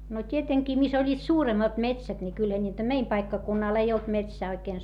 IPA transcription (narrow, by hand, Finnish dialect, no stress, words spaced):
no tʲieteŋkiː mis olʲːiːt suːremːɑt metsæt ni kylhæ nʲiːtæ meim pɑikːɑkunːɑl ei olt metsæː oikeːn